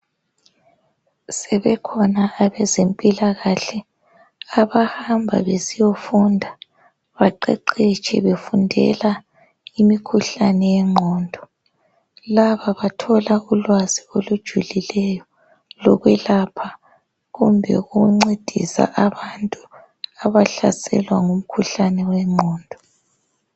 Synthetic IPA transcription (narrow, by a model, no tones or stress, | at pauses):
sɛβɛkʰɔnaːβɛzempʼilaɣaɬɛ | aβahambʱa̰βesijofundʱa | βaǃɛ̰ǃet͡ʃʼʰɛ̰βefundʱɛ̰la | imikʰuɬanɛjɛŋ͡ǃʱɔːndʱɔ | laβaβatʰɔlaulwaziolud̥ʒ̥ʱulilɛjɔ | lɔ̰ɣwɛlapʰa | ɣumbʱɛ̰ɣuɣuŋ͡ǀed̥ʱḭsa̰ʔaβantʼu | aβaɬasɛ̰lwaŋum̩kʰuɬanɛwɛŋ͡ǃʱɔːndʱɔ